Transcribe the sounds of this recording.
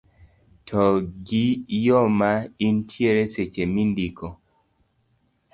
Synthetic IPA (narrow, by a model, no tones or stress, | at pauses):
tʰɔɡijɔmaintʰjeɾeset͡ʃemindikʰɔ